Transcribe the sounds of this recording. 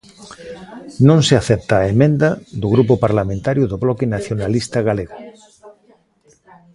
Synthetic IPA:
nõŋseaθɛp̚t̪aːemẽnd̪aðoɣ̞ɾupʊpaɾlamẽnt̪aɾjʊðoβlɔkenaθjonalist̪aɣaleɣo

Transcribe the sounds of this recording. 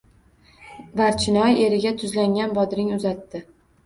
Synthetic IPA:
vaɾt͡ʃʰɪnɒje̞ɾɪɡʲat̪ʰʊzlaŋʲanbɒd̪ɪɾɪŋʊzat̪ːɪ

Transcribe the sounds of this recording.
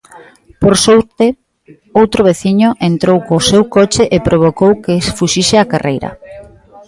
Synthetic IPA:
poɾsowt̪e | owt̪ɾoβ̞eθiɲʊʔent̪ɾowkosewkot͡ʃɪʔepɾoβ̞okowkesfuʃiʃɪakarʔejɾɐ̰

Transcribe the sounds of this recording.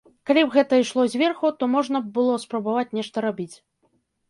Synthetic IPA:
kalʲibɣɛt̪ɐiʂlˠɔzʲvʲɛrxut̪ɔmɔʐnɐb̚bɨlˠɔspɾɐbavat͡sʲnʲɛʂt̪ɐɾabʲit͡sʲ

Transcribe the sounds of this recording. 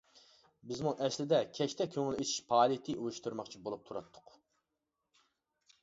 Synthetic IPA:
bɪzmuʔɛslɪd̪ɛkʲʰɛʃt̪ʰɛkʲʰøŋɪlet͡ʃʰi̥ʃpʰɑːlˠit̪ʰiʔujuʃt̪uɾmɑχt͡ʃʰibolˠup̚t̪ʰuɾɑ̰t̪ʰːʊ̥q

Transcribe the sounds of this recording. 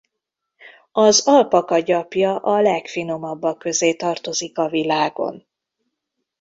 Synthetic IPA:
ɒzɒlpɒkɒɟɒpjɒʔɒlɛkfino̞mɒbːɒkːø̞zeːt̪ɒrt̪o̞zikɒvilaːɡo̞̰n

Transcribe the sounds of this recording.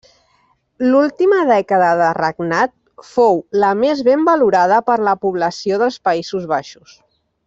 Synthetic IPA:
lulˠt̪iməðɛkəðəðərəɡnat̪̚ | fowləmezβembəluɾaðəpəɾləpuβ̞ləsioðəlˠspəizuzβaʃus

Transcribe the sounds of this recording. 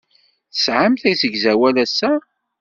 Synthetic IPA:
θə̥sʕamθæsəɡzæwælæsːæ

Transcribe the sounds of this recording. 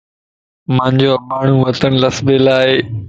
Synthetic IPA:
mãːɲd͡ʑoːmaːɳ̤ũːʋət̪əɽ̃lɐsbelaːɪ

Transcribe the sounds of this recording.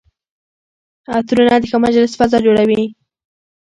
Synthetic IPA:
at̪ɾunɑd̪əxamad͡ʒalɪsfazɑd͡ʒoɽawi

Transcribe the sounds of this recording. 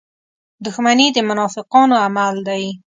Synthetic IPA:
d̪ʊxmanid̪əmʊnɑfɪqɑnoamald̪aj

